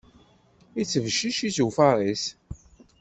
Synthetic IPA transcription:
it͡sːəvʃːiʃizufɑɾˤis

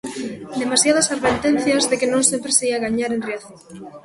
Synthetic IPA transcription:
d̪emasjaðɐsarβent̪en̟θjɐzðekɪnõŋsempɾeseiaɣaɲaɾẽnreaθoŋ

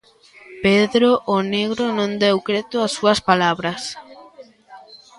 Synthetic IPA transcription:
peðɾoʔːneɣ̞ɾonõnd̪ewkɾet̪ʊasːuɐspalaβɾɐs

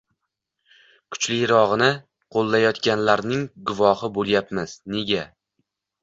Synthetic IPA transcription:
kʰʊ̥t͡ʃlɪjɾɒʁɨnɪ | qʰolˠːajɒt̪kʲanlaɾnɪŋɡʊvɒhɪbolˠjapmɪz̥ne̞ɡʲa

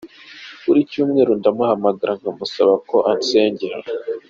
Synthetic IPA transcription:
uɾicuːmŋe̞ːɾundamahamaɡaɾʔaŋɡamusaβako̞ʔanse̞ːɲɟeɾa̰

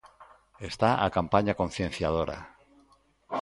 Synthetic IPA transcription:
est̪aakampaɲakon̟θjẽ̞n̟θjað̞oɾa̰

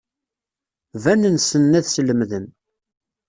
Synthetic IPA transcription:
vænənsənːæðsələmðən

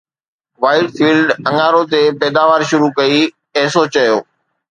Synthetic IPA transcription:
ʋaːɪʈfiːlɖɐ̃ŋaːɾot̪epɛːd̪aːʋaːɾʃʊɾukɐi | ɛɦsot͡ɕɐjoː

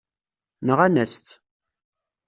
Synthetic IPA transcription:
nəʁænæst̪

